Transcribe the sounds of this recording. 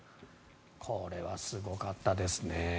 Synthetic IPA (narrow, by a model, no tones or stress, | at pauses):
kʰo̞ɾe̞βasɨɡo̞kat̪ːad̪e̞sɨne